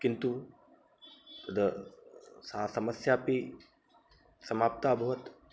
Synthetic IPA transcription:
kint̪u | t̪ɐd̪ə | sɐɦasɐməsjaːpi | sɐmaːp̚t̪abʱɐʋɐt̪

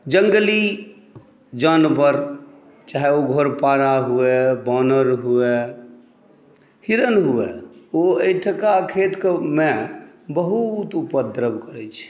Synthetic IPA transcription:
d͡ʒəŋɡəli | d͡ʒənbəɾ | t͡ʃaɦɛoɡʱoɾpaɾaɦuebɔnəɾɦue | hiɾənɦueoejʈʰəkakʰet̪kemebəɦut̪upəd̪ɾəbkəɾɛt͡ʃʰ

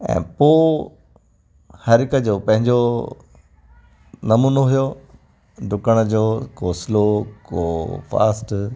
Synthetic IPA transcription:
ɛ̰̃ːpoː | hɐɾɪkəd͡ʑoːpɐ̃ɦɪ̃ɲd͡ʑo | nɐmuːnoɦʊjoː | ɖʊkəɽ̃ə̆d͡ʑoːkoːsɪlokoːfa̰ːsʈ

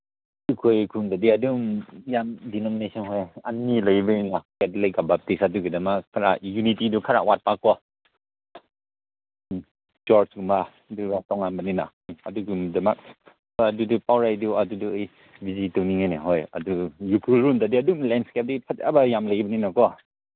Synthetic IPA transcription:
dukʰojkʰuŋdadiadumjamdinɔminesɔnɦɔjanːilajbaninakɛt̚lajkabap̚tisaduɡɯdamakkʰːaɾaʔjunitidukʰaɾa̰ʔwat̚pakːɔ | d͡ʒɔɾsɡuma | duɡatɔŋaŋbanina̰ | a̰duɡumdamak̚ | adudupawɾajduaduduaj | bizitɔwniŋajnaɦɔja̰dujukʰɾulɾundadiadumlɛnskɛp̚dipʰata̰bajamləjbɐninakɔ

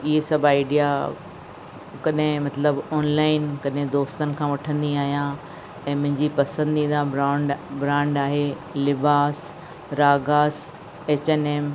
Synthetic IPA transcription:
ɪɦesɐbʱaɪɖija | kɐɗɦɪ̃mɐt̪ləbɔːnlaːɪnkɐɗɦẽd̪oːst̪ənɪ̆kʰãːʋɐʈʰə̃nd̪iaːɦijã | ɛ̃ːmʊ̃ɦɪ̃ɲd͡ʑipɐsə̃nd̪ĩːnd̪ãɾãːɳɖbɾãːɳɖaːɦe | lɪbaːs | ɾaːɡaːs | eːt͡ɕeːneːm

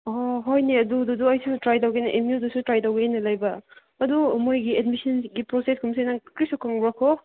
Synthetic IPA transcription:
ɔɦojniɐdududuɐjsutɾajtawɡejnɐʔemiudusutɾajtawɡeenɐlɐjbɐ | ɐdumojɡied̚misɐnɡipɾɔseskʰumsejnakɾisukaŋbɾakʰɔ

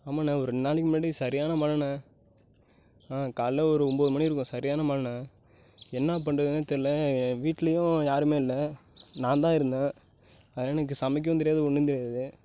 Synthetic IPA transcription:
aːmaːnẽːɔɾɯnaːlɪkːɯmɐːɽisɐɾɪjaːnɐmɐlɐnɐ | kaːlːɐɔɾɯɔmboːðɯmɐɳːiɪɾɯk̬ːʊ̃sɐɾɪjaːnɐmɐlɐnɐ̃ | ɛnːɐp̬ɐɳrɐðɯnaːt̪ːɐlːɐʋiːʈːlɐjʊ̃jaːɾɯmeːɪlːɐnãːnd̪ãːɪɾɯnd̪ẽː | ɐðɛnɐk̬ːɯsɐmɪk̬ːɐʋɐnd̪ɪɾɪjaːðɐʊɳːɯnd̪ɪɾɪjaːðɐðɯ

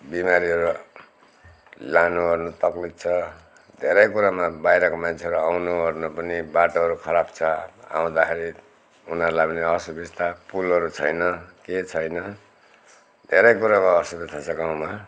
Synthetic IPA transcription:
bimaɾiɦʌɾu | lanuɦʌrnut̪ʌklit̪̚t͡sʰʌ | d̪ʱeɾʌjkuɾamabajɾʌkomant͡sʰeɦʌɾuawnuɦʌrnupʌnibaʈoɦʌɾukʰʌɾabt͡sʰʌa̰w̃d̪akʰeɾi | unʌɾlabneʌsubist̪ʰapulʌɾut͡sʰʌjnʌket͡sʰʌjnʌ | d̪ʱeɾʌjkuɾakoʌsubit̪ʰat͡sʰʌkaw̃ma

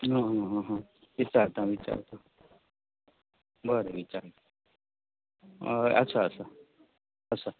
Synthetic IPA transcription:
ɦãɦãɦɦãʋit͡ʃaɾt̪ãʋit͡ʃa̰ɾt̪o | bəɾeʋit͡ʃa̰ɾt̪ | ə̰tːsʰaəsa | əsʰa

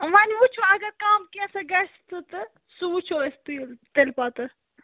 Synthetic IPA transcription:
ʋɐnʲʋut͡ʃʰoɐɡɐɾkaːmkesɐɡɐst̪ɨt̪ɨ | suʋut͡ʃʰoest̪iːlt̪elpaːt̪ɨ

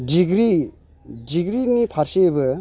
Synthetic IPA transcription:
diɡɾi | diɡɾinipʰaɾsebɯ

